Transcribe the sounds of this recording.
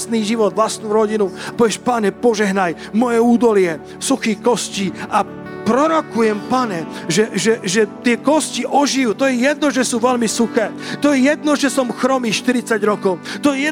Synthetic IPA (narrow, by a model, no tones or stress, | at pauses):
sniːʒiʋɔd̪ʋlasnuɾɔɟinuapɔʋjɛʃpaɲɛpɔʒɛɦnaj | mɔjɛuːd̪ɔlɪɛ | suxiːxkɔsciːa | pɾɔɾɔkujɛmpaɲɛʒɛʒɛʒɛt̪ɪɛkɔsciʔɔʒijut̪ɔjɛjɛd̪̚nɔʒɛsuːʋɛlmisuxɛːt̪ɔjɛjɛd̪nɔʒɛsɔmxɾɔmiːʃt̪iɾit͡saɟɾɔkɔʊt̪ɔjɛjɛ